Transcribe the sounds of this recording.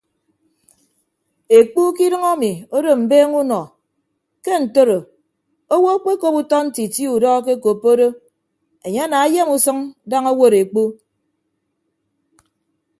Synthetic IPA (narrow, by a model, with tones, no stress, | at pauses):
e˨k͡pu˦ki˦dɨ˦ŋa˦mi˨o˦do˦m̩˨beː˦ŋu˦nɔ˨ | ke˦n̩˨to˦ɾo˨ | o˦wo˦k͡pe˦ko˦pu˦tɔ˦n̩˦ti˨ti˦u˨dɔ˦k̬e˦ko˨pːo˦do˦ | e˨ɲe˦a˦na˨a˦je˦mu˨sɨ˦ŋda˦ŋo˦wo˦ɾe˨k͡pu˦